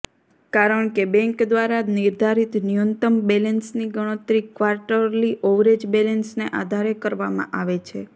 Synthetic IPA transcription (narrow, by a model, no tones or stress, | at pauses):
kaɾəɳkebɛ̃ŋkd̪ʋaɾaniɾd̪ʱaɾit̪nijənt̪əmbelensniɡəɽ̃ət̪ɾikʋaɾʈəɾliʔoʋɾed͡ʒbelensneʔad̪ʱaɾekəɾʋamã̰ʔaʋet͡ʃʰe